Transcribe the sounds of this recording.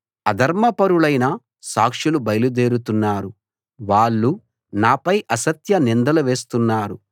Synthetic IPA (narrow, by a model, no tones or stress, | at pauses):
ɐd̪ʱɐɾmɐpɐɾuɭɐjnɐ | saːkʂilubɐjlud̪e̞ːɾut̪unːaːɾu | ʋaːɭːu | naːpɐjʔɐsɐt̪jɐnind̪ɐlɐʋe̞ːst̪unːaːɾu